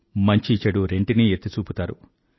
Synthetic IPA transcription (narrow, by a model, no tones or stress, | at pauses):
mɐɲt͡ʃiːt͡ʃːɐɽuɾe̞ɳʈiniet̪ːit͡ʃuːput̪aːɾṵ